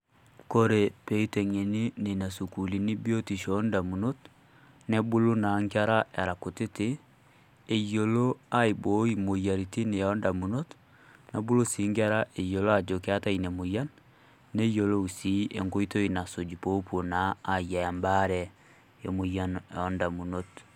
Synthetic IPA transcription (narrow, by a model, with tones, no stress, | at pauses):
ko˦ɾe˨pe˦i˦te˨ŋe˨ni˦ne˨na˨su˨ku˨li˨ni˦bo˦ti˨ʃɔnda˨mu˨no˦t | nɛ˦bu˦lo˦na˨ŋɡa˦ɾa˦a˨ɾa˨ko˨te˦teː˦˨ | jo˨lo˦a˦i˨bo˨˦i˦mo˨ja˨ɾi˨ti˦ne˨a˨˦nda˨mu˨no˦t | na˦bu˦lo˦si˨˦ŋɡa˦ɾa˦ʔe˨jo˨lo˦a˨d͡ʒo˨ke˦a˦ta˦ine˨mo˨ja˦nː | e˦jo˨lo˦u˨si˦ḛ˨ŋɡo˦i˦to˦i˨na˨so˨d͡ʒi˨po˦po˨naː˨ja˨a˨mba˦ɾɛ˨ | jo˨mo˨ja˦nɔ˦nda˨mu˨no˦t